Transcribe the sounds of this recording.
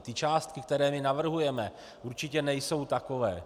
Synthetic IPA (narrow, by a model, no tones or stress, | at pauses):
t̪ɪt͡ʃaːst̪̚kɪk̚t̪ɛɾɛːmɪnavr̩ɦujɛmɛ | ʔuɾt͡ʃɪcɛnɛjso̞wt̪ako̞vɛ̰ː